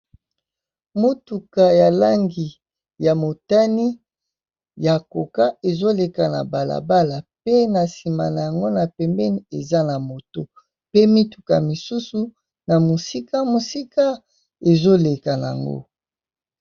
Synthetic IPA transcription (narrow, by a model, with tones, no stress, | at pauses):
mo˦tu˨ka˨ja˨la˦ŋɡi˨ | ja˨mo˨ta˦ni˦ | ja˨ko˨ka˦e˨zo˦le˨ka˨na̰˨ba˨la̰˨ba˦la˨pe˦na˨si˨ma˨na˨ja˨ŋɡo˦na˨pɛ˨mbɛ˦ni˦e˨za˦na˨mo˨to˦ | pe˦mi˦tu̥˨ka˨mi˨su˦su˨ | na˨mo˨si˦ka˦mo˨si˦ka˦ | e˨zo˦le˨ka˨na˨a̰˨ŋɡo̰˦